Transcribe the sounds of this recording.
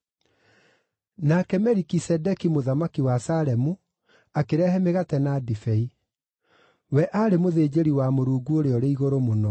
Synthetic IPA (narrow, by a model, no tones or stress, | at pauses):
nakɛmɛɾikisɛdɛkimoðamakiwasalɛmu | akeɾɛhɛmeɣatɛnadifɛi | wɛʔaːɾemoðeːd͡ʑeɾiwamoɾuːɡuoɾeɔɾeiɣoɾomonɔ